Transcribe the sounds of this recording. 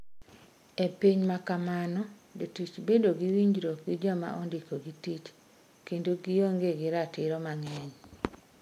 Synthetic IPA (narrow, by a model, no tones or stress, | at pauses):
epiɲmakamanɔ | d͡ʒotit͡ʃbedoɡiwiɲd͡ʒɾokwid͡ʒɔma̰ʔɔndikoɡitit͡ʃ | kendoɡijoŋɡeɡɪɾatɪɾɔmaŋɛɲ